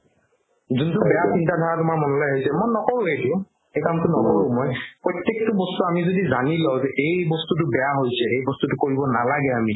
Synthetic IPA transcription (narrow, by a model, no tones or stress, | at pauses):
zuntʊbɛjasintadʱaɹatʊmaɹmɔnɔlɔjɦojsɛmojnɔkɔɹʊ̃ɦejtʊ | ejkamtʊnɔkɔɹʊ̃mɔjpɹɔjtjek̚tʊbɔstuamizodizanilaʊzɛʔejbɔstutʊbɛjaɦojsɛejbɔstutʊkoɹibɔnalaɡɛami